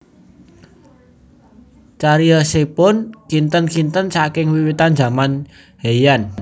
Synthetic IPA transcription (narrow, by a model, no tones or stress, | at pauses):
t͡ʃaɾiəsepʊnkint̪ənkint̪ənsakɪŋwiwit̪and͡ʒa̤man | hejan